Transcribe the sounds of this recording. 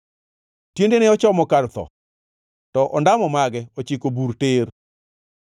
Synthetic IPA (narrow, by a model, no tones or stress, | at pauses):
tjendeneɔt͡ʃɔmɔkalt̪ɔ̰ | tɔʔɔndamɔmaɡɛɔt͡ʃikobuɾter